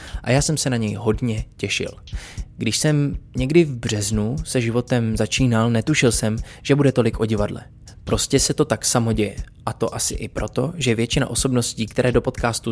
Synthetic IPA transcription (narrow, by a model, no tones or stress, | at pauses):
ʔa̰jaːsɛmsɛnaɲɛjɦo̞dɲɛcɛʃɪ̰lɡdɪʃsɛmɲɛɡdɪvbr̝̥ɛznusɛʒɪvo̞t̪ɛmzat͡ʃiːnalnɛt̪uʃɪlsɛm | ʒ̥ɛbudɛt̪o̞lɪkʔo̞ɟɪvadlɛ̰ | pɾo̞scɛsɛt̪o̞t̪aksamo̞ɟɛjɛ | ʔat̪o̞ʔasɪʔɪpɾʔo̞t̪o̞ʒɛvjɛt͡ʃɪna̰ʔo̞so̞bno̞sciːkt̪ɛɾʔɛːdo̞po̞t̪kaːst̪u